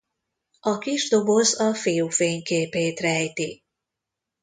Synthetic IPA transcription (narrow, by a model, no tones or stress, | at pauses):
ɒkiʒd̪o̞bo̞zɒfijufeːɲkeːpeːt̪rɛjt̪i